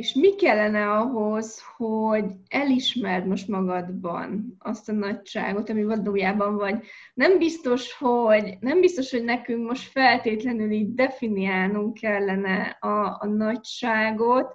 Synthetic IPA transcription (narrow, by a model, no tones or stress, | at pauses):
eʃmikɛlːɛnɛɒɦo̞zhoɟɛliʃmɛrd̪mo̞ʃt̪mɒɡɒd̪bɒ̰nɒst̪ɒnɒcʃa̰ːɡo̞t̪ɒmivɒd̪oːjaːbɒɱvɒɟ | nɛmbist̪o̞ʃho̞ɟnɛmbist̪o̞ʃho̞ɟnɛkyŋkmo̞ʃt̪fɛlt̪eːt̪lɛnyliːɟd̪ɛfiniaːlnuŋkkɛlːɛnɛɒːnɒcʃaːɡot̪